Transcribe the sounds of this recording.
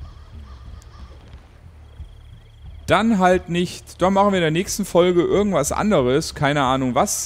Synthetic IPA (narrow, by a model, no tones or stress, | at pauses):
d̥anɦaltnɪçtd̥aχmaχn̩viɐɪndːɐnɛːçstn̩fɔlɡəʔɪɐɡŋ̩tv̥asʔa̰ndəʁəskʰaɪnəʔaːnʊŋvas